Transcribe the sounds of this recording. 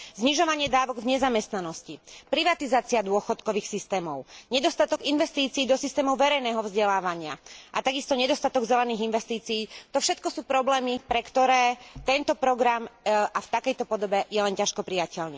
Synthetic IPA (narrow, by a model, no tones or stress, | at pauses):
zɲiʒɔʋaɲɪɛd̪aːʋɔɡvɲɛzamɛst̪nanɔscipɾiʋat̪izaːt͡siad̪ʊɔxɔt̪kɔʋiːxsist̪ɛːmɔʊɲɛd̪ɔst̪at̪ɔɡinʋɛst̪iːt͡siːd̪ɔsist̪ɛːmɔʊʋɛɾɛjnɛːɦɔvzɟɛlaːʋaɲɪaʔat̪aɡist̪ɔɲɛd̪ɔst̪at̪ɔɡzɛlɛniːɣinʋɛst̪iːt͡siːt̪ɔfʃɛt̪kɔsuːpɾɔblɛːmipɾɛkt̪ɔɾɛːt̪ɛnt̪ɔpɾɔɡɾamʔaft̪akɛjt̪ɔpɔd̪ɔbɛjɛlɛncaʃkɔpɾijacɛʎnḭ